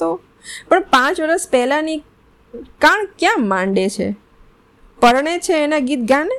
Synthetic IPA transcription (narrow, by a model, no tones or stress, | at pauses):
t̪o | pəɳpãt͡ʃʋəɾəspɛɦlani | kaɳkjãmãɳɖet͡ʃʰḛ | pəɾɳet͡ʃʰeːnaɡit̪ɡãne